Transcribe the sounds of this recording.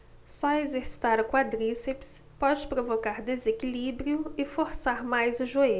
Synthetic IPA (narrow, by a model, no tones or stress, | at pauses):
sɔezeɾsi̥t̪aɾʊkwad̪ɾiseps | pɔd͡ʒɪpɾovokaɾd̪ezekilibɾiʊɪfoɾsaɾmajzʊʒue